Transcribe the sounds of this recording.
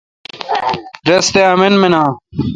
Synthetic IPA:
ɾɐst̪eamenmenaː

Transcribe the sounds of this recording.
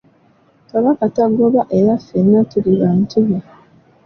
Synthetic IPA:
kaβakataɡoβaʔeɾafenːatuɾiβantiβi

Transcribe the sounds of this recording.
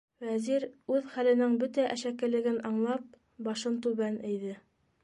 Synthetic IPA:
wæziɾʉðχælɘ̆nɘŋbɵt̪æʔæʃækɘ̆lɘ̆ɡɘnɑɴlˠɑp̚ | bɑʃɤnt̪ʉβænɘ̆jðɘ

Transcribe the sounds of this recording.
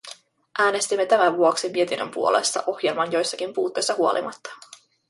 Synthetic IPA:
ʔæːne̞st̪imːe̞t̪æmæʋuo̞ksimie̞t̪inːømpṵo̞le̞̰st̪ɑ̰ʔo̞xje̞lmɑnjo̞jsːɑk̟impuːt̪ːe̞jsːɑhuo̞̰lḭmɑ̰t̪ːɑ̥

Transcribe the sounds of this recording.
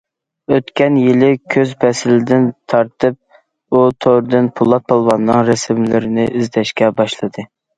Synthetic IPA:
øt̪kʲɛnjɪlˠɪkʲʰøzbɛsɪlɪd̪ɪnt̪ʰɑɾt̪ʰɨp̚ | ut̪ʰoɾɨd̪ɨnpʰulˠːɑt̪̚pɑlˠvɑnːɨŋɾɛsɪmlɪɾɪnɪʔɪzd̪ɛʃkʲɛbɑʃlˠɨd̪ɨ

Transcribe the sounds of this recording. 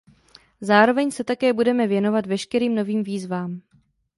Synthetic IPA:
zaːɾo̞vɛɲsɛt̪akɛːbudɛmɛvjɛno̞vat̪vɛʃkɛɾiːmno̞viːmviːzvaːm

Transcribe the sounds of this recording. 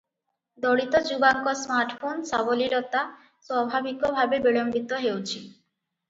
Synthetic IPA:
d̪oɽit̪od͡ʑubaŋkosmaɾʈfʰonsabolilot̪a | swabʱabikobʱabebiɭombit̪oɦewt͡ɕʰi

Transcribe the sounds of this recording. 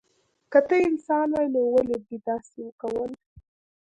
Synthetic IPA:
kət̪əɪnsɑnwajnowəleb̪it̪ɑsilkawəl

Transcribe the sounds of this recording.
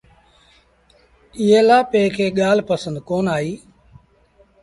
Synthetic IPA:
ɪɦeːlaːpeːkʰeːɠaːlpəsə̃nd̪koːnaːiː

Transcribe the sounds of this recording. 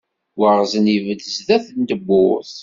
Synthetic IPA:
wəʁzənivəd̪əzðæθnt̪əbːʊɾθ

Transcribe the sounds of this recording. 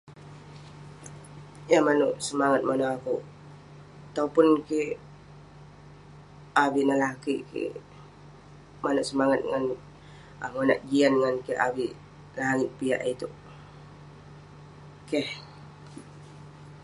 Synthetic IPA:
jamanuʔsəmaŋat̪̚manaaku | at̪aupʊnkiʔ | abiʔnahlaakiʔkḭ | manuʔsəmaŋat̪̚ŋan | amonaʔd͡ʒianŋankiʔawiʔ | laɦaŋiʔpia̰ʔit̪uʔ | keh

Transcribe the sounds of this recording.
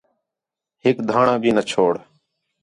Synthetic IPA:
ɦɪkd̪ʱaːɳãːbʱiːnət͡ʃʰoːɽ

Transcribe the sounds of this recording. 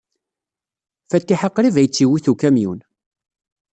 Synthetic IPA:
fæt̪ːiħəqːɾivæjət͡sːiwiθukæmjun

